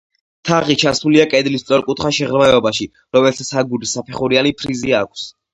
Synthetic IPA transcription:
t̪ʰaʁit͡ʃʰasuliakʼɛd̪list̪sʼɔɾkʼut̪ʰχaʃɛʁɾmaɛɔbaʃi | ɾɔmɛlt̪ʰasʰaɡuɾisapʰɛχuɾianipʰɾiziakʰs

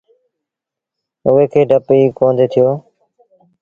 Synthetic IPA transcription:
ʊɦeːkʰeːɖʱəpiːkõːnd̪ʱeːt̪ʰɪjoː

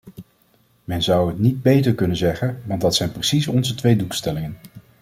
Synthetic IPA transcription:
mɛnzʌwɦətnid̚bejtəɹkɵnənzɛχənʋɑndɑtsɛjnprəsisɔnzətʋejdukstɛlɪŋən

